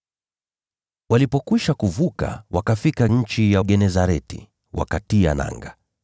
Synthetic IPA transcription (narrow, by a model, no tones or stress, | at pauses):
walipɔkwiʃakuvuka̰wakafikaɲ̩t͡ʃijaɡɛnɛzaɾɛtḭ | wa̰katia̰na̰ŋɡa